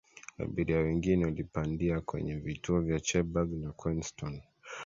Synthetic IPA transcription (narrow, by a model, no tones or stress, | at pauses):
a̰ɓiɾiawɛŋɡinɛalipandiakwɛ̰ɲɛvituɔvjat͡ʃɛbaɡnakwinstɔn